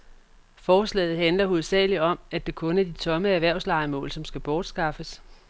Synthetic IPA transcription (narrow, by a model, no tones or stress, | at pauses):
fɒːslɛ̰ːð̞̩ˠɦænlɐɦuð̩ˠsɛ̰ːliɒ̽mæd̥e̝kʰɔ̽næɐd̥it͡sʰɒ̽məæɐʋæɐ̰ʊslɑ̈ɪmɔ̰ːlsɒ̽msɡ̥æb̥ɒːd̥sɡ̥ɑ̈fəs